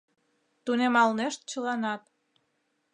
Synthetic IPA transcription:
t̪unemɑlneʃt̪̚t͡ɕə̆lɑnɑt̪̚

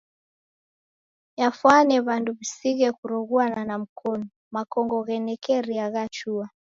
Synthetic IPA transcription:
jafwanɛβanduβisiɣɛkuɾɔɣuananam̩kʰɔnɔ | makɔŋɡɔɣɛnɛkɛɾiaɣat͡ʃua

